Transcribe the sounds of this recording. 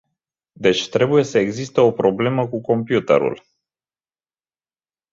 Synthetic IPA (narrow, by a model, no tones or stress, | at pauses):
d̪e̞t͡ʃʲt̪ɾe̞buje̞səe̞ɡzist̪əo̞pɾo̞ble̞məkuko̞mpjut̪ḛɾṵl